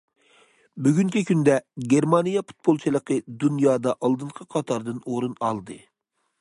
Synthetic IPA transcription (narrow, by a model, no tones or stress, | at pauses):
byɡʲyŋkʲʰikʲʰynd̪ɛɡʲeɾmɑnijɑpu̥t̪̚bolˠt͡ʃʰɨlˠəqʰəd̪unjɑːd̪ɑʔɑlˠd̪ɨɴqʰəqʰɑt̪ʰɑɾd̪ɨnoɾunɑ̰lˠd̪ɨ